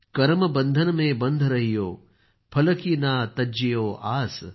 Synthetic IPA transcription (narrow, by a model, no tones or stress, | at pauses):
kɐɾmɐbɐ̃nd̪ʱɐnɐmẽːbɐnd̪ʱɾɐɦijoː | pʰɐlɐkiːnaːt̪ɐd͡ʒijoːʔaːs